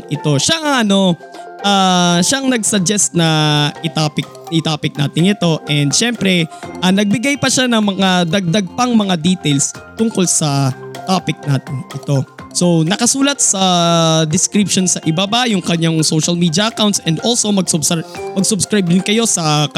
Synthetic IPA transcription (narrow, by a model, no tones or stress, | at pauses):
ʔɪt̪o̞ʃaʔɐŋʔɐno̞ʔaːʃaʔɐŋnɐɡsɐd͡ʒɛst̪̚nɐʔɪt̪apɪk̪̚ɪt̪aːpɪk̚na̰ːt̪ɪŋɪt̪o̞ʔɛnd̪̚ʃɛmpɾɛʔɐnɐɡ̚bɪɡajpɐʃanɐŋmɐŋad̪ɐɡ̚d̪ɐɡ̚pɐŋmɐŋad̪iːt̪ɛlst̪ʊŋko̞lsɐt̪aːpɪk̚naːt̪ɪnʔɪt̪o̞so̞nɐkɐsuːlɐt̪̚sɐd̪ɪskɾip̚ʃonsɐʔɪbabajʊŋkɐɲːaŋsoʃɐlmiːd̪jɐʔɐkawnt̪sʔɛnd̪ʔolsomɐɡsʊbsmɐɡsʊbskɾajb̚d̪ɪnkɐjo̞sɐ